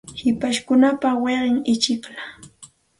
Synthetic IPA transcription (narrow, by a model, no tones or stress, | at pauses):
hɪpaʃkʊnapaweɢɪŋɪt͡ʃɪkla